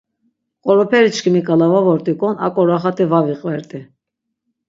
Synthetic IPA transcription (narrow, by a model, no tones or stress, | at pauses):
qʼɔɾɔpʰɛɾit͡ʃʰkʰimikʼalavavɔɾt̪ʼikʼɔna̰kʼɔɾaχat̪ʰʼivaviqʼvɛɾt̪ʼi